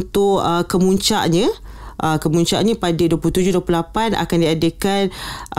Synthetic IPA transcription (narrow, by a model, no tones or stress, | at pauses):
nt̪ʊʔəkəmuɲt͡ʃa̰ʔɲãʔəkəmuɲt͡ʃa̰ʔɲãpadaduəpuuht̪ud͡ʒuduəplulapanʔa̰kandiadekan